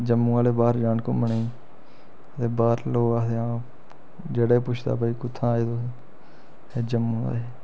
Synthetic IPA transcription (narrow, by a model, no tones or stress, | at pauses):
d͡ʒəmːũːaːleːbaːɾd͡ʒaːɳko̰ːməɳeː | t̪eːbaːɾloːɡaːt̪eãː | d͡ʒeːɽeːpʊt͡ʃʰd̪a̰ːp̬əiːkʊt̪ʰːãːeːt̪oː | eːd͡ʒəm̃ːd̪a̰ːeː